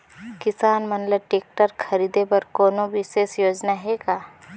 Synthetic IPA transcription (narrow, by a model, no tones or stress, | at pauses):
kɪsaːnmɐnləb̚ʈeːk̚ʈəɾkʰɐɾiːd̪ebɐɾkɔːnoʋɪʃeːsjoːd͡ʒnaɦɛɡaː